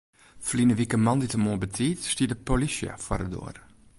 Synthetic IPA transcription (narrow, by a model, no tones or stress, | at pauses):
flinəʋikəmɑnditəmoəbətʰiːtstiədəpolisjə̰fwa̰ɾədo̰ːər